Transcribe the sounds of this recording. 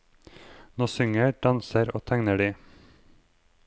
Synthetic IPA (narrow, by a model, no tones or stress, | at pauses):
noːsʏŋəɖ̥ɑnsəɾo̰ːt̪ʰæŋnəɖiː